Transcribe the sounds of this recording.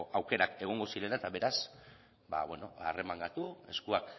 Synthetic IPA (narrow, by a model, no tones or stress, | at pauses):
awke̞ɾake̞ɣ̞o̞ŋɡo̞siɾe̞naet̪aβe̞ɾas | ba̰βweno̞̰are̞maŋɡat̪ueskuak